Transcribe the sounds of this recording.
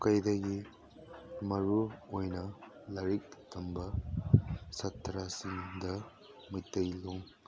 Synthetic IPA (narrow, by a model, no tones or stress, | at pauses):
kɐjdɐɡi | mɐɾuojnɐ | lɐɾik̚tʰɐmbɐ | sɐt̪ʰːɾasiŋdɐ | mɯjtːɐjloŋ